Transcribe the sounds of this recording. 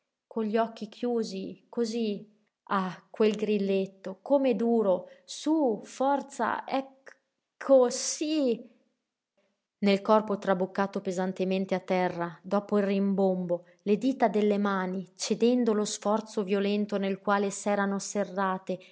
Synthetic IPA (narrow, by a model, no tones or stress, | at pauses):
konʎɔkːikʰjuːzikozi | akːwelɡɾilːet̪ːokomed̪uːɾosufɔrt̪sa̰ɛk | kʰːosi | nelkɔrpot̪ɾabukːaːt̪opezant̪ement̪eat̪ːɛrːad̪ɔːpoilrimbombo | led̪iːt̪ad̪elːemaːnit͡ʃed̪ɛnd̪olosfɔrt̪sovjolɛnt̪onelkwaːlesɛːɾanoserːaːt̪e